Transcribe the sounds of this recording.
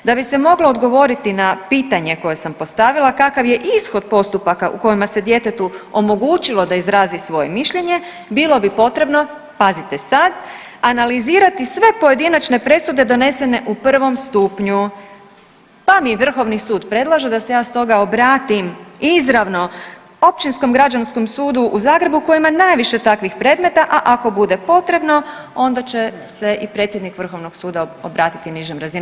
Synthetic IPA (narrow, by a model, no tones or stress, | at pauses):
d̪abise̞mo̞ɡlˠo̞ːd̪ɡo̞ʋo̞ɾit̪inapiːt̪aɲe̞ko̞je̞sampo̞st̪aʋilˠakakaʋje̞ʔisxo̞d̪po̞st̪upakaʔṵko̞jimase̞d̪je̞t̪e̞t̪uo̞mo̞ɡuːt͡ʃilˠo̞d̪aizɾaːzisʋo̞je̞miʃʎe̞ɲe̞ | bilˠo̞bipo̞t̪ɾe̞bno̞ | pazit̪e̞sad̪ | analiziːɾat̪isʋe̞po̞je̞d̪inat͡ʃne̞pɾe̞sud̪e̞d̪o̞ne̞se̞ne̞ʔupr̩ʋo̞mst̪uːpɲu | pamiʋr̩xo̞ʋnisuːd̪pɾe̞d̪lˠaʒe̞d̪ase̞jaːst̪o̞ɡaobɾaːt̪imizɾaʋno̞ | op̚t͡ɕinsko̞mɡɾad͡ʒansko̞msuːd̪uʔuzaːɡɾe̞buko̞imanajʋiʃe̞t̪akʋixpɾe̞ːd̪me̞t̪aʔaʔako̞bud̪e̞po̞t̪ɾe̞bno̞o̞nd̪at͡ɕe̞ | se̞ipɾe̞t̪sjed̪nikʋr̩xo̞ʋno̞ɡ̥suːd̪aobɾaːt̪i̥t̪iniʒemɾazin